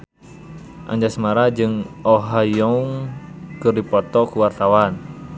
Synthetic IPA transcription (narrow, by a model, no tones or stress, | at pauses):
ʔa̰ɲd͡ʒasmaɾad͡ʒɨŋɔɦajɔŋkɨrdipɔt̪ɔkuwart̪awan